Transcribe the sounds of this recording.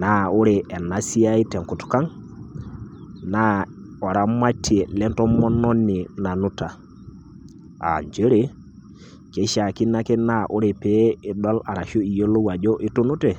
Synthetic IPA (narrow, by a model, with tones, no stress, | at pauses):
na˦u˦ɾe˨ɛ˨na˨si˦a˦i˦tɛ˨ŋku˨tka˦ŋ | na˦ɔ˨ɾa˦ma˦ti˦e˨lɛ˦ntɔ˦mɔ˦nɔ˦nːi˨na˨nu˦ta˨ | a̰˨ɲd͡ʒe˦ɾe˦ | ke˦ʃa˨ki˦na˦ke˦na˦ʔu˦ɾe˨pe˦i˨ɗɔ˦la˨ɾa˨ʃo˦i˨jo˦lo˦wa˨d͡ʒɔ˦ʔi˦tu˦nu˦te˨